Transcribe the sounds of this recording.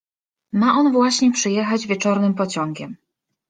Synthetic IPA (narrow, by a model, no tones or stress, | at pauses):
maʔɔnvwaɕɲɛpʂɘjɛxad͡ʑvʲjɛt͡ʂɔɾnɘmpɔt͡ɕɔŋɡʲɛm